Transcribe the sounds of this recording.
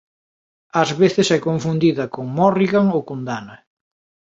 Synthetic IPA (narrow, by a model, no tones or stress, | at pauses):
ɐzβeθesɛkoɱfund̪iðɐkoŋmɔriɣaŋokond̪anɐ